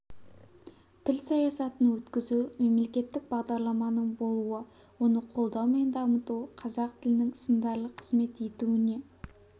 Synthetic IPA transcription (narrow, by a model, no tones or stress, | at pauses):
t̪ʰɪlsɑjɑsɑt̪ənwɵt̪kʲɪzume̞mle̞kʲe̞t̪ːɪk̚bɑʁd̪ɑɾlˠɑmɑnəɴbo̞lˠuə | wo̞nəqʰo̞lˠd̪ɑwme̞nd̪ɑmət̪uwqʰɑzɑq̚t̪ʰɪlɪnɪŋsənd̪ɑɾlˠəqʰə̥zme̞t̪e̞t̪uɪne̞